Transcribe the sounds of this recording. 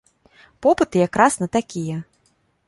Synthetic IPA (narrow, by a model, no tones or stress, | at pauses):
pɔpɨt̪ɨjakɾasnɐt̪akʲijɐ